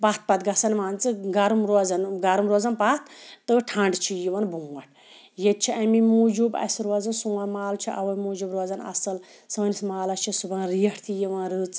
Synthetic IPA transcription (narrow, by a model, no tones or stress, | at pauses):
pat̪̚ʰpɐt̪ɡɐsɐnmaːnt͡sɨɡaɾumɾozɐnɡɐɾumɾoːzɐnpat̪ʰt̪ɨʈʰãɳɖt͡ʃʰijiʋɐnbuːɐʈ̚ʰ | jet̪̚t͡ʃʰiʔɐmimud͡ʒubɐ̰siɾozɐnsuamaːlt͡ʃʰiʔɐʋɐmuːd͡ʒubɾozɐnɐ̰sɐl | sɨnismaːlɐt͡ʃʰisubɐnɾijɐʈʰt̪ʰijiʋãːnɾɨːt͡s